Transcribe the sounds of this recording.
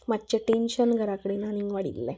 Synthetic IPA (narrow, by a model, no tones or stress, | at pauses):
mat̪ːt͡ɕeʈenɕənɡʱəɾakəɽinaniŋɡʋaɽḭlːe